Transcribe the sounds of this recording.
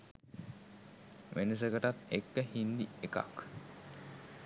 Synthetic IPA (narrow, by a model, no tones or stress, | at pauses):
ʋʔenəs̬əɡəʈat̪ekːəhind̪ieka̰k